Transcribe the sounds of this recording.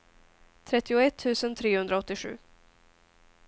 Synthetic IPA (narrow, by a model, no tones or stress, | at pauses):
t̪ʰɾɛt̪ːɪʊɛt̪ʰːʉ̟ːsənt̪ʰɾeːhɵnd̪ɾaɔt̪ːɪɧʉ̰ː